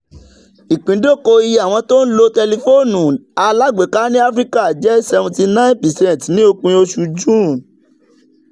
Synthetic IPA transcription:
i˨k͡pĩ˨˦do˦˨ko˧i˧ja˨w̃ɔ̃˧to˦n̩˦lo˧tɛ˧li˧fo˦˨nũ˨a˧la˦˨ɡ͡be˨ka˦nĩ˦a˦fɾi˦ka˦˨d͡ʒɛ˦sɛ˧vũ˧ti˧nã˦ĩ˦pi˨sɛ̃˦˨tnĩ˦o˧k͡pũ˧o˧ʃu˧d͡ʒũ˦˨

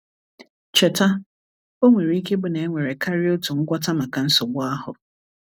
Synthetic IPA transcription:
t͡ʃe˨ta˦ | o˦ŋʷe˨ɾi˦i˦ke˦bʊ˨ne˨e˦ŋʷe˨ɾe˨kʰa˦ɾɪ˦o˦tu˨ŋ̩˦ɡʷa˦ta˦ma˨ka˨n̩˦sʊ˨ɡ͡bʊ˦a˦ɦʊ˨

